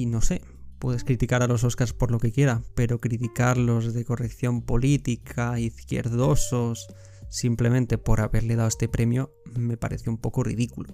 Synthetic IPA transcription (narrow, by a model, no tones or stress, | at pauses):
ino̞se̞ | pwe̞ð̞eskɾit̪ikaɾalo̞s̬o̞skaɾspoɾlo̞ke̞kje̞ɾape̞ɾo̞kɾit̪ikaɾlo̞zðe̞ko̞rekθjo̞mpo̞lit̪ikʰaiθkje̞̰ɾðo̞sosː | imple̞mẽnt̪e̞po̞ɾaβe̞ɾle̞ð̞awest̪e̞pɾʔe̞mjo | me̞pa̰ɾe̞θjoumpo̞korḭð̞ikulo